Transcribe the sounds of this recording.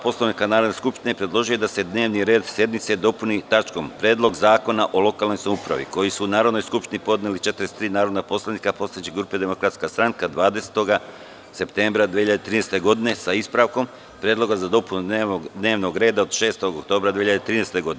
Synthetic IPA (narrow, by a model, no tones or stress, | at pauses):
po̞slaʋnikanaːɾod̪neskupʃt̪inepɾed̪lˠo̞ʒiujed̪ase̞d̪ne̞ːʋniɾeːd̪sje̞d̪mit̪sed̪o̞punit̪at͡ʃko̞mpɾeːd̪lˠo̞ɡzaːko̞naʔo̞lo̞kalno̞jsamupɾa̰ʋḭko̞jisuːnaːɾod̪nojskupʃt̪inipo̞d̪nelit͡ʃe̞t̪ɾest̪ɾiːnaːɾo̞d̪napo̞slaʋnikapo̞st̪aet͡ɕiɡɾuːpe̞d̪e̞mo̞kɾat̪skast̪ɾaŋkad̪ʋaːd̪e̞se̥t̪o̞ɡa | se̞pt̪e̞mbɾad̪ʋeiʎad̪et̪ɾiːnest̪e̞ɡo̞d̪ine̞saispɾaʋko̞m | pɾʲeːd̪lˠo̞ɡazad̪o̞punud̪ne̞ːʋno̞ɡɾe̞ːd̪aod̪ʃe̞ːst̪o̞ɡokt̪o̞ːbɾad̪ʋeçiʎad̪et̪ɾiːnest̪e̞ɡo̞d̪in